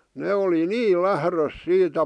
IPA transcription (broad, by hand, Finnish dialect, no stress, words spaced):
neː oli niː læhrøs siːtæ